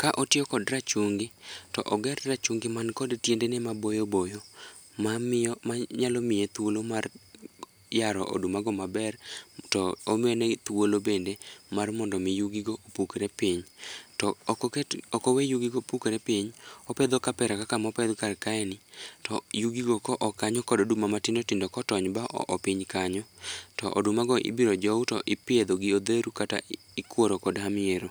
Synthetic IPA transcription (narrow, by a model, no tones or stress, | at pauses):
kaʔotɪɔkɔdrat͡ʃuŋɡɪtɔʔɔɡɛrrat͡ʃuŋɡɪmankɔdtjendenɛmabojobojo | mammaɲalɔmɪjet̪wolomar | jaɾɔ̰ʔo̰dumaɡɔmabɛrtɔːmɪɔnɛt̪wolobendemarmɔndɔmɪjuɡiɡoʔopukeɾepiɲtɔ | ɔkowejuɡiɡopukeɾepiɲɔpɛd̪okapɛɾakakamɔpɛd̪karkaɛnitɔjuɡiɡokɔʔɔkaɲɔkɔdodumamatɪndotɪndɔkɔtɔɲbaʔɔ̰ʔɔpiɲkaɲɔtɔʔo̰dumaɡɔʔɪ̰biɾɔd͡ʒɔutɔʔɪpɪed̪oɡɪod̪eɾukata̰ | ikwoɾokɔdhamɪeɾo